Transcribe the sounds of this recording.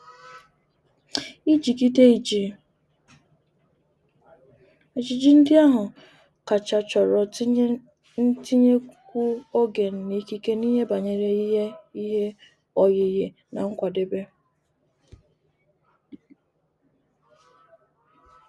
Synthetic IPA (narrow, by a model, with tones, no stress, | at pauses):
i˦d͡ʒi˨ki˦te˦i˨d͡ʒi˨ | e˨d͡ʒi˨d͡ʒi˦n̩˦dɪ˦a˦ɦʊ˨ | ka˨t͡ʃa˨t͡ʃɔ˨ɾɔ˨ | n̩˦ti˦ɲe˦kkʷu˦o˦ɡe˨n̩˨ni˦ki˦ke˦ni˦ɦe˦ba˨ɲe˨ɾe˨i˦ɦe˦i˦ɦe˦ | ɔ˨ɣɪ˨ɣɪ˨ | na̰˨ŋ̩˦kʷa˨de˦be˦